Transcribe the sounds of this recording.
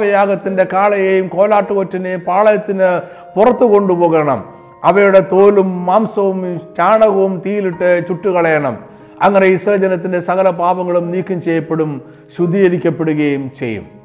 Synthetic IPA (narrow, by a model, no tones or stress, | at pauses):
ʋɐjaːɣɐt̪ːinde̞kaːɭɐjejumko̞ːlaːʈːukotːɐnejmpaːɭɐjɐt̪ːinɨ | purɐt̪ːuko̞ɳɖupo̞ːɣɐɳɐ̰m | ɐʋɐjuɽe̞t̪oːlumːaːmsɐʋumɕaːɳɐɣɐʋumt̪iːjiliʈːɨt͡ɕuʈːuɣɐɭeːɐɳɐm | ɐŋːɐne̞isrɐd͡ʑɐnɐt̪̬ːinde̞sɐɣɐlɐpaːbɐŋːɐɭumniːkːumt͡ɕe̞jːɐpːe̞ɽum | ɕud̪ʱːiɐɾikʲːɐpːeɽuɣɐjumt͡ɕe̞̰jːṵm